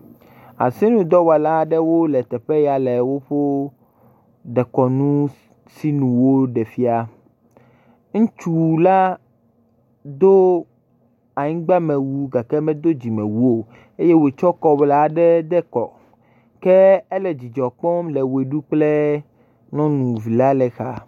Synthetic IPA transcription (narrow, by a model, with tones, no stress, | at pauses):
a̰˨si˦nũ˦d̪ɔ˦wa˨la˦ɖɛ˦wo˦lɛ˨t̪ɛ˨ɸe˦ja˨lɛ˨wo˦ɸo˦ | d̪ɛ˨kɔ˨nũ˦ | si˦nũ˨wo˦ɖɛ˨fi˦a˨ | ŋ̩̃˦t͡ʃu˨la˦ | d̪o˦ | a˨ɲĩ˦ɡ͡ba˦mɛ̃˨wu˦ɡa˨kɛ˦mɛ̃˦d̪o˦d͡ʑi˨mɛ̃˨wu˦o˨ | e˦je˦we˨t͡ʃɔ˦kɔ˦bla˦ɖɛ˦d̪ɛ˦kɔ̰˨ | kɛ˦ɛ˦lɛ˨d͡ʑi˨d͡ʒɔ˨k͡pɔ˦mlɛ˨we˨ɖu˦k͡ple˦ | nɔ̃˦nũ˨vi˨la˦lɛ˨xa˨